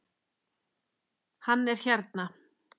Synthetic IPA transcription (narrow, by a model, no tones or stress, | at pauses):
hanːɛɾ̥çaɾt̪na